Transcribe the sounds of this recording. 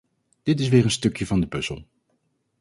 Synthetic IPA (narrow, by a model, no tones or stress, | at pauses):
d̥ɪtɪs̬ʋɪːɹənstɵkjəvɑndəpɵzə̰lˠ